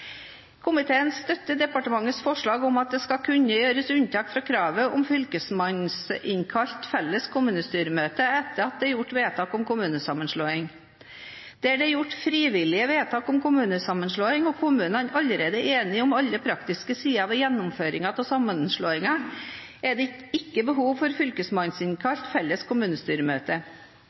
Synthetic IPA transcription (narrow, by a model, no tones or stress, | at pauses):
kʰʊmɪt̪ʰeːənsst̪œt̪ːəd̪ɛpɑʈəmɑŋːət̪sfɔʂɭɑːɡʊmɑt̪̚d̪ɛskɑkʰʉɲːəjøːɾəsʉnt̪ʰɑːkfɾɑːkʰɾɑːʋəʔɔmfʏlkəsmɑnsɪŋkʰɑʎt̪fɛlːəskʰʊmʉːnəst̪yːɾəmøːt̪əɛt̪ːəɾɑt̪̚d̪ɛæɾjʊʈːʋeːt̪ʰɑːkʊmkʊmʉːnəsɑmːənʂɭoːɪŋ | d̪̥ɛæɖɛjʊʈːfɾiːʋɪlɪəʋeːt̪ʰɑːkʊmkʊmʉːnəsɑmːənʂɭoːɪŋɔkʰʊmʉːnɑnɑlːəɾeːd̪əʔeːnɪʊmɑlːəpʰɾɑkt̪ɪskəsiːɑʋɛjɛnːʊmføːɾɪŋɑt̪ʰɔsɑmːənʂɭoːɪŋɑ | ɛɖɛ | ɪkːəbəɦuːʋfɔɾfʏlkəsmɑnsɪŋkʰɑʎt̪fɛlːəskʰʊmʉːnəst̪yːɾəmøːt̪ə